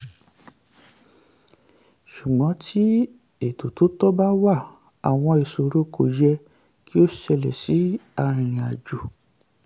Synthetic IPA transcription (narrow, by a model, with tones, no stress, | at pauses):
ʃu˨ɡ͡bɔ̃˨˦tʰi˦ | e˨to˨to˨˦tɔ˦ba˦wa˦˨ | a˨w̃ɔ̃˧e˨so˨ɾo˨˦ko˨jɛ˧ | ki˦o˦ʃɛ˧lɛ̰˨si˨˦a˦˧ɾ̃ĩ˨a˨d͡ʒu˨